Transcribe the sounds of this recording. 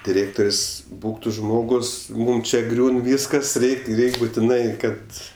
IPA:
dʲɪˈrʲeːktoːrʲsʲ ˈbuːk tʊ ˈʒmoːɡʊs ˈmuːm t͡ʃʲɛ ˈɡrʲuːn ˈʋʲiːskɐs ˈrʲɛɪkʲ ˈrʲɛɪkʲ bʊtʲɪˈnɐɪ ˈkɐt

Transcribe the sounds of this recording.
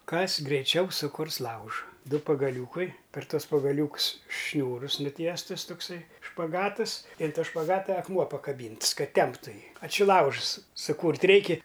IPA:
ˈkɐs ɡrʲɛɪˈt͡ʃʲɛʊ sʊˈkʊrs ˈlˠɐʊʒɐ ˈdʊ pɐɡɐˈlʲuːkɐɪ pʲɛr ˈtuɔs pɐɡɐˈlʲuːks ˈʃʲnʲuːrʊs nʊˈtʲiɛstʊs toːkˈsɐɪ ʃpɐˈɡɑːtɨs ɪ ɐn ˈtoː ʃpɐˈɡɑːtɐ ɐkˈmuɔ pɐkɐˈbʲiːnts ˈkɐt ˈtʲɛmptʊ ˈjiː ɐ t͡ʃʲɪ ˈlˠɐʊʃs sʊˈkuːrt ˈrʲɛɪkʲɪ

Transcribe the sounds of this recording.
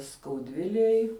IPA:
skɐʊˈdʲʋʲɪlʲeːj

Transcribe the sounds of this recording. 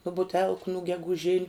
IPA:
nʊ bʊˈtʲɛlˠkʊ nʊ ɡʲɛɡʊˈʒʲɪnʲʊ

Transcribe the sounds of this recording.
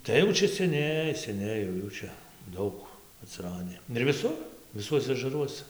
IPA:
ˈtɐɪ jɛʊ ˈt͡ʃʲɛ sʲɛˈnʲɛɪ sʲɛˈnʲɛɪ jɛʊ ˈjuː t͡ʃʲɛ ˈdɐʊk ɐtʲsʲɪˈrɑːdʲɪ ɪr ʋʲɪˈsʊr ʋʲɪˈsuɔsʲɛ ɐʒɐˈruɔsɐ

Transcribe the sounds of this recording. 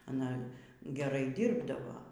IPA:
ɐˈnɐ ɡʲɛˈrɐɪ ˈdʲiːrbdɐʋoː

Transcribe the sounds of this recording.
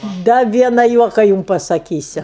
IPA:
ˈdɐ ˈʋʲiɛnɐ ˈjuɔkɐ ˈjʊm pɐsɐˈkʲiːsʲʊ

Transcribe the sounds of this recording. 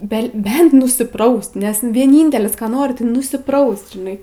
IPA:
bʲɛ ˈbʲɛnt nʊsʲɪˈprɐʊst nʲɛs ʋʲiɛˈnʲiːnʲtʲɛlʲɪs ˈkɑː ˈnoːrʲɪ tɐɪ nʊsʲɪˈprɐʊst ʒʲɪˈnɐɪ

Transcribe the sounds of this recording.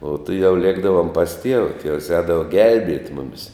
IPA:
oː tʊˈjɛʊ ˈlʲiɛɡdɐʋoːm pɐs tʲiɛʋɐ tʲiɛws ˈɛːdɐʋɐ ˈɡʲɛlʲbʲiɛtʲ ˈmʊmʲɪs

